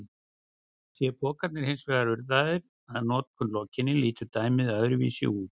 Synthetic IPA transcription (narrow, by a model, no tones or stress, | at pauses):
θjɛpɔːkat̪nɪɾ̥hɪnsvɛːɣaɾʏɾðaðɪɾ | aðnɔːt̪kʰʏnlɔːcɪnːɪliːt̪ʏt̪aːjmɪðœðɾʏvḭːsɪ̰uːt̪̚